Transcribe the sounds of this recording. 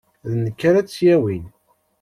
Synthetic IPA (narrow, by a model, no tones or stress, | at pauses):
ðnəkːaɾæsjæwin